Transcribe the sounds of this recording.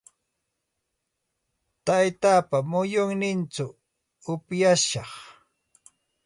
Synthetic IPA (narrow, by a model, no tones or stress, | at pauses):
t̪ajt̪aːpamʊjʊŋnɪnt͡ʃʊ | ʊpjaʃɑχ